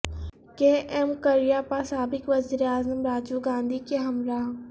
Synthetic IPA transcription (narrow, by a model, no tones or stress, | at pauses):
keʔɛmkɐɾijaːpasaːbɪkʋɐziːɾeaːzəmɾaːd͡ʒuɡãːnd̪ʱikeɦɐmɾaː